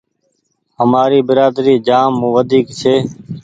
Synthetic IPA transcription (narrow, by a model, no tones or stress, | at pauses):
ɦəmaːɾiːbɪɾaːd̪ɾiːd͡ʒaːmːũːʋəd̪ʱiːkt͡ʃʰeː